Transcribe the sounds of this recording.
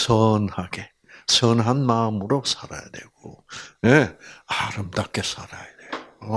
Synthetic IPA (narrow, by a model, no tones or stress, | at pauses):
sənhaɡe | sənɦanmaːmuɾosʰaɾa̰jad̪eɡoeaɾɯmt̪akːesaɾa̰jad̪eɡo